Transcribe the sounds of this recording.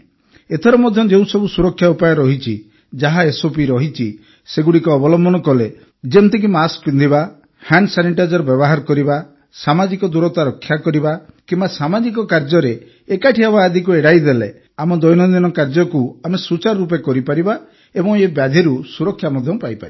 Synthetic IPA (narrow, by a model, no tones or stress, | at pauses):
et̪ʰɔɾɔmɔd̪ʱjɔd͡ʒeũsɔbusuɾɔkʰːjaupajɔɾɔɦit͡ʃʰi | d͡ʒaɦaesopiɾɔɦit͡ʃʰi | seɡuɽikɔːbɔlɔmbʱɔnɔkɔle | d͡ʒemnt̪ik̬imaskbind̪ʱiba | haɳɖsaniʈad͡ʒɔɾɔbjɔbɔɦaɾɔkɔɾiba | samad͡ʒikɔd̪uɾɔt̪aɾɔkʰːjakɔɾibakimbasamad͡ʒik̬ɔkaɾd͡ʒɔɾeː | kaʈʰiabaːd̪ʱikueɽajd̪elḛ | amɔd̪ɔjnɔd̪inɔkaɾd͡ʒɔkuamesut͡ʃaɾɾupekɔɾipaɾiba | ebɔ̃ŋebjad̪ʱiɾusuɾɔkʰːjamɔd̪ʱjɔpajpa̰ɾi